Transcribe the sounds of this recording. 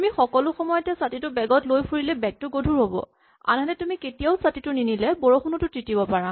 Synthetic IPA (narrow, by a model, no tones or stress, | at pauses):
tumixɔkɔlʊxɔmɔjɔtɛsatitʊbɛɡɔtlojpʰuɹilɛbɛk̚tʊɡodʱuɹɦobɔ̰ | a̰nɛnɛtumiketijaʊsatitʊninilɛbɔɹɔxunɔtʊtɹitibɔpaɹa